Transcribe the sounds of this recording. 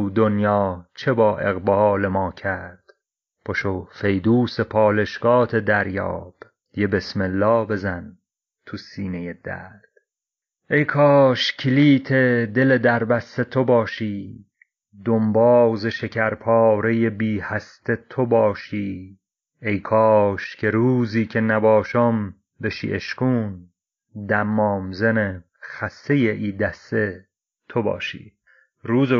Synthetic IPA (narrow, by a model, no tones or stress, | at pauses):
uːd̪onjɒːt͡ʃʰebɒːʔe̞̰ɣbɒːlemɒːcʰæɾd̪̥ | pʰoʃofe̞jd̪uːsepʰɒːle̞ʃɡ̥ɒːt̪ʰe̞d̪æɾjɒ̰ːb̥ | jebe̞smelːɒːbe̞zæn | t̪ʰusiːnejed̪̥æ̰ɾd̪̥ | ʔejkʰɒːʃcʰiliːt̪ʰe̞d̪e̞le̞d̪æɾbæse̞t̪ʰobɒːʃiː | d̪ombɒːzeʃe̞cʰæɾpʰɒːɾejebiːhæst̪ʰe̞t̪ʰobɒːʃiː | ejkʰɒːʃcʰe̞ɾuːziːcʰenæbɒːʃom | beʃḭːʔeʃkuːn | d̪æmːɒːmzene | xæsejeʔiːd̪æst̪e | t̪ʰobɒ̰ːʃḭː | ɾuːze